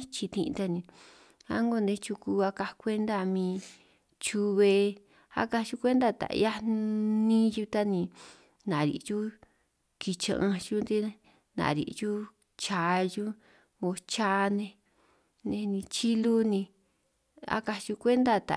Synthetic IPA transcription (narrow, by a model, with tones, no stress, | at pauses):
t͡ʃi˧t̪ḭ̃˧t̪a˧nĩ˧ | a̰˦ŋɡo˧nd̪ẽ˧t͡ʃu˧ku˧a˧ka˧kʷe˦nd̪a˧˨˧mĩː˧ | t͡ʃu˧βe˧ | a̰˦ka˧t͡ʃu˧˦kʷe˦nd̪a˦˧t̪a̰˨ʔja˦nĩ˦ju˦˧t̪a˦nĩ˧ | nã˨ɾḭ˨t͡ʃu˦ | ki˧t͡ʃã̰˧ʔã˧ʃu˦nd̪i˦˧ | nã̰˨ɾḭ˨t͡ʃu˦ | t͡ʃa˧ju˦ | o˧t͡ʃa˧˦˧nẽ˧ | nẽ˧nĩ˧t͡ʃi˦lu˦nĩ˧ | a̰˦ka˧t͡ʃu˧kʷe˦nd̪a˦˧t̪a̰˨